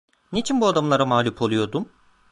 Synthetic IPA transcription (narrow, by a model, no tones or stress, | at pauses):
net͡ʃʰinbuad̪amlˠaɾamaːlʲupʰo̞lˠujo̞d̪um